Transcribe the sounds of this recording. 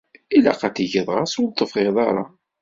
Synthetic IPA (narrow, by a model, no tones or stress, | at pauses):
ila̰qæt̪iʝəðˤʁasʊlt̪ːəfʁeðˤɑɾˤɑ̰